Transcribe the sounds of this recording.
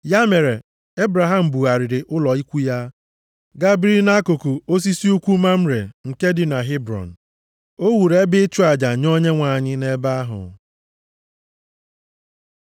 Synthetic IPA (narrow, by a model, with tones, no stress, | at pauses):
ja˦me˨ɾe˨ | e˦bɾa˨ɦa˨m̩˨bu˨a˨ɾɪ˨ɾɪ˨ʔʊ˦lɔ˨i˦kʷu˦ja˦ | ɡa˦bɾi˦i˦lna˦ko˨ku˨o˦s̬i˦si˦u˦kʷu˦ma˦m̩˦ɾe˨ŋ̩˨ke˦dɪ˨na˨ɦɪ˦bɾɔ̰˨n̩˨ | o˦wu˨ɾe˦bɪ˦t͡ʃu˦a˨d͡ʒa˨ɲo˦ɲe˦ŋʷa˨ɲɪ˦ne˦ba˦a˦ɦʊ̰˨